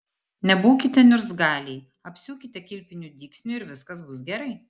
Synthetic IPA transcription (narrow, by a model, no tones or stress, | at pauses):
nʲɛbuːkʲɪt̪ʲɛnʲʊɾsɡɑːlʲiː | ɐpʲsʲuːkʲɪt̪ʲɛkʲɪlʲpʲɪnʲuːd̪ʲiːksʲnʲuɪɾʋʲɪskɐsbʊsɡʲɛɾɐɪ